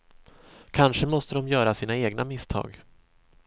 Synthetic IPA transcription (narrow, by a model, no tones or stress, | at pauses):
kʰanʂəmɔst̪əd̪ɔmjœːɾasiːnaeːɡnamɪst̪ʰɑ̰ːɡ